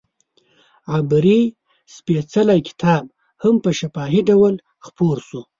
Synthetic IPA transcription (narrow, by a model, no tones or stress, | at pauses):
ʕabɾi | spet͡salajkɪ̥t̪ʰɑːb̚ | hampəʃafɑːɦiɖawal | xpoɾsu